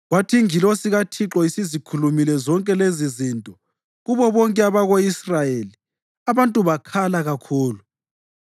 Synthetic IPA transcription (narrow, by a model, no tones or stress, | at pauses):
ɣwatʰiŋilɔsiɣatʰiǁɔisizikʰulumilɛzɔŋkʼɛlezizintʼɔ | ɣuβɔβɔŋkʼɛaβaɣoisrajeli | aβantʼuβakʰalaɣakʰuːlu